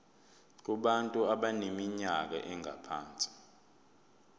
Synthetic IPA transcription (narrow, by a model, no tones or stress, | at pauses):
k̬uɓantʼuaɓanemiɲak̬a̰ʔɛŋʱa̰pʰaːnt͡sʼi̥